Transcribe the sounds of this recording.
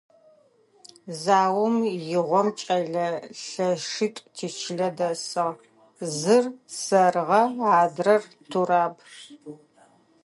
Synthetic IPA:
zaːwʊmjɪʁʷɔmt͡ʃʼɐɮɐɬɐʂɨtʼtʰiːt͡ʃʰɪɮɐdɐsɨʁ | zɨrsɐrʁɐaːdrɐrtʰuraːb

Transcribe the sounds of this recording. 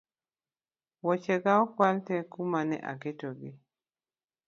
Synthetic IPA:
wɔt͡ʃɛɡaɔkwaltɛkumanɛ̰ʔa̰ketoɡi

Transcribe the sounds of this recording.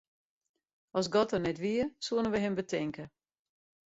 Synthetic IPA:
ɔsɡɔtərnɛtʋiəsuənənʋəɦɪmbətʰɪŋkə

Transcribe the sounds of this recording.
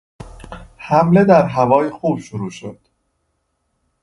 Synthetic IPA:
hæmle̞d̪æɾɦævɒːjexuːb̥ʃoɾuːʃod̪̥

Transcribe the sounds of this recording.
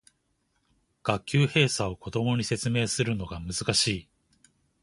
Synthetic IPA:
ɡ̥akʲːɨːhe̞ːsao̞ko̞d̪o̞mo̞ɲ̟ise̞t͡sɨme̞ːsɨɾɯ̟no̞ɡamɯ̟zɨkaɕiː

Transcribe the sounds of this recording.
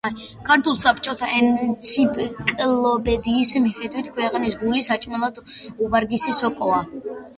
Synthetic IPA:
kʰaɾt̪ʰulˠsapʰt͡ʃʼɔt̪ʰaʔɛnt̪sʰipʼkʼlɔpɛd̪iːsmiχɛd̪wit̪ʰkʰwɛqʼnis̬ɡulisat͡ʃʼmɛlˠad̪ubaɾɡisisɔkʼɔa

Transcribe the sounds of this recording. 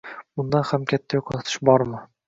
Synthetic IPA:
bʊnd̪anhamkʲʰat̪ʰːajoqʰlt̪ʰɪ̥ʃbɒɾmɪ

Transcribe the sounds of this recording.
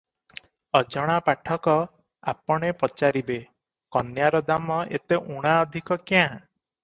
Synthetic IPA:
ɔd͡ʒɔɽ̃apaʈʰɔkɔ | a̰pɔɽ̃epɔt͡ʃaɾibe | kɔnjaɾɔd̪amɔʔḛt̪eʔuɽ̃aɔd̪ʱikɔkjã

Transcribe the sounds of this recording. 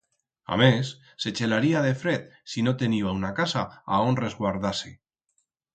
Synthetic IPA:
a̰mesː | et͡ʃelaɾiað̞efɾet̪sinot̪eniβaunakasaaonrezɣwaɾðase

